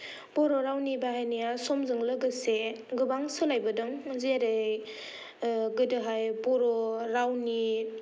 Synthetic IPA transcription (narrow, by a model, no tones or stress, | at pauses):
bɔɾɔɾawnibaɦajnijasɔmzɯŋlɯɡɯseɡɯbaŋsɯlajbɯdɯŋzeɾɯj | ɡɯdɯɦajbɔɾɔɾawni